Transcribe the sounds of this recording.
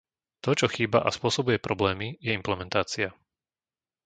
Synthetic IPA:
t̪ɔt͡ʃɔxiːba̰ʔaspʊɔsɔbujɛpɾɔblɛːmijɛimplɛmɛnt̪aːt͡sia

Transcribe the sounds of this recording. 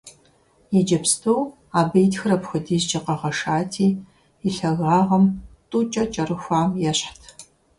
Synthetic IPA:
jid͡ʒɐpstʰoː | aːbejtxɨrɐpxɨdiːzd͡ʒɐqɐʁɐʂaːtʰiː | iɬɐɣaːʁɐmtʼuːt͡ʃʼɐt͡ʃʼɐrɨxʷaːmjɛɕħtʰ

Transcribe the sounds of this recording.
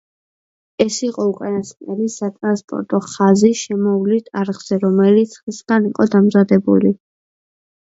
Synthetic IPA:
ɛsiqʼɔukʼanasɛlisat̪ʼɾanspʼɔ̰ɾt̪ʼɔχaziʃɛmɔvlit̪ʰaɾʁz̥ɛɾɔmɛlit̪sʰχisɡaniqʼɔd̪amzad̪ɛbṵli

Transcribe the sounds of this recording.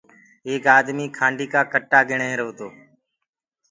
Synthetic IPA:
eːkaːd̪miːkʰãːɳɖiːkaːkəʈːaːɡɪɳẽːɪɾoːt̪oː

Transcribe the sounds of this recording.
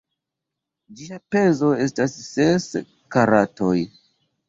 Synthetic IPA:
d͡ʒiape̞zo̞e̞stasːes | kaɾatoj

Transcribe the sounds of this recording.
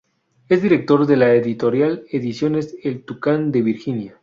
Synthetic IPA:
e̞zd̪iɾe̞k̚t̪o̞ɾðe̞laeðit̪o̞ɾjaleðisjo̞ne̞selt̪ukand̪eβiɾxinja

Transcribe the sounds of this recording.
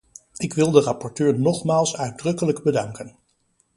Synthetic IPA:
ɪkʋɪlˠdərɑpɔɹtøːɹnɔχmaːlˠsœɥd̚drɵkələɡbədɑŋkən

